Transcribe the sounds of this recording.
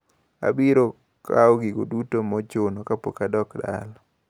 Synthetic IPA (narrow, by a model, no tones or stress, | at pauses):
a̰biɾo | kaɔɡiɡo̰dutomɔt͡ʃonɔkapo̰kadɔkda̰l